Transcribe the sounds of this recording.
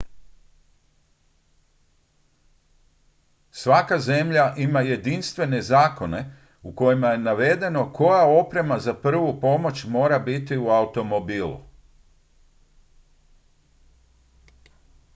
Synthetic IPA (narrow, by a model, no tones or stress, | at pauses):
sʋakaze̞mʎaʔimaje̞d̪inst̪ʋe̞ne̞zaːko̞ne̞ | uko̞jimaje̞naʋe̞d̪e̞no̞kʰo̞jao̞pɾe̞mazapr̩ʋupo̞mo̞t͡ɕmo̞ːɾabit̪iuaut̪o̞mo̞biːlṵ